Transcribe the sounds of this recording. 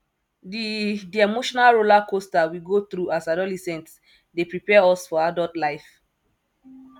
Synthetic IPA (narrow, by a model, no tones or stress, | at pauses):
didiɛmoʃɔnalɹolakostawiɡot̪ɹuasadɔlɛsɛ̃nts | depɹipɛaɔsfɔadɔtlaɪf